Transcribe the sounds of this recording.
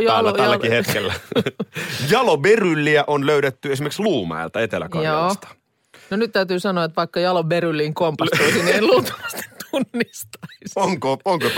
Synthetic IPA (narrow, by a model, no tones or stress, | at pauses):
jælːæælːækihet̪kelːæ | jɑloberylːiæʔonløyɾet̪ːyesimerksluːmæ̰ḭlt̪ɑet̪elæ̰kɑ̰joɑːsst̪ɑ̥ | nonyt̪t̪æyt̪yːsɑnoɑet̪ʋɑikːɑjɑloberylːiːŋkompɑoisinienluːt̪uɑst̪e̥t̪unːist̪ɑisoŋkooŋkot̪